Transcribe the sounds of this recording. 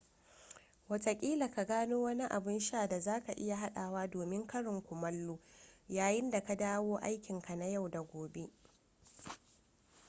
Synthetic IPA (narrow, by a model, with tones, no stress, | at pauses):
wɐ˨tɐ˨kʲʼiː˦la˨ka˨ɡaː˦noː˦wɐ˦ni˦ʔa˨bɪ˦nʃaː˦˨da˨zaː˦ka˨ʔɪ˦ja˨ɦa˦ɗaː˨waː˦doː˨mɪ˦ŋkɐ˦ɽɪ˨ŋkʷʊ˨mɐ˦lːuː˦jaː˨jɪ˦nda˨ka˦daː˦woː˦ʔa̰˦jkʲɪ˨ŋka˨na˦ja˦˨wda˨ɡʷoː˨be˦ʔ